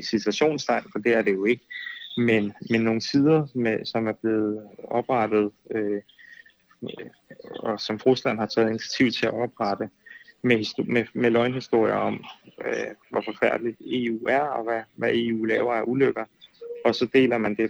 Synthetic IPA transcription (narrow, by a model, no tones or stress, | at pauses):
e̥sisʰæɕo̝̰ːnsd̥ʰɑ̈ɪ̰nfɒ̽d̥e̝æɐɾ̥e̝jo̝e̝ɡ̥əmenmenno̝ːŋət͡sʰiðˠɐmesɒ̽mæɐb̥le̝ːð̞̩ˠɒ̽b̥ʁɑd̥ð̞̩ˠø | ɒ̽sɒ̽mfʁuslæn̰hɑ̈t͡sʰɛ̰ːð̩ˠinit͡sʰjæ̥t͡sʰiʊ̰t͡sʰe̝æɒ̽b̥ʁɑd̥əmehismemelɒɪnɦisd̥o̝ɐ̰ijɐɒ̽m | ʋɒfɒ̽fæɐ̰d̥lid̥e̝ːṵːæɐɒ̽ʋæʋæʔe̝ːṵːlɛːʊɐæɐʔuløɡ̥ɐɒ̽sɒ̽d̥e̝̰ːlɐmænd̥e̝